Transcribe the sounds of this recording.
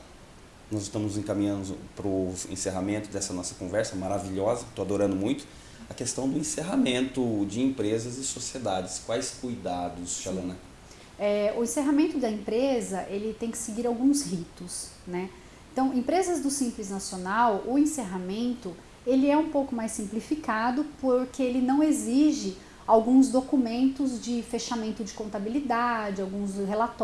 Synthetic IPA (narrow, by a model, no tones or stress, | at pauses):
nɔzɪst̪ɐ̃mʊzẽkamĩɲɐ̃nd̪ʊpɾʊḛ̃seɦamẽnt̪ʊd̪ɛsɐnɔsɐkõvɛɾsɐmaɾaviʎɔzɐt̪oad̪oɾɐ̃nd̪ʊmũj̃t̪ʊ̥ | ɐkest̪ɐ̃w̃d̪ʊẽseɦamẽnt̪ʊd͡ʒɪẽpɾezɐzɪsosied̪ad͡ʒɪskwajskujd̪ad̪ʊsʃalɐ̃nɐ | ɛʊẽseɦamẽnt̪ʊd̪ɐẽpɾezɐʔelɪt̪ẽj̃kɪ̥seɡiɾawɡũshit̪ʊsnɛ | ẽt̪ɐ̃w̃ẽpɾezɐzd̪ʊsĩmplɪznasionawʊẽseɦamẽnt̪ʊ | elɪɛũpowkʊmajsːĩplifikad̪ʊpoɾkeelɪnɐ̃w̃eziʒɪ | awɡũzd̪okumẽnt̪ʊzd͡ʒɪfeʃamẽnt̪ʊd͡ʒɪkõnt̪abilid̪ad͡ʒɪawɡũsɦelat̪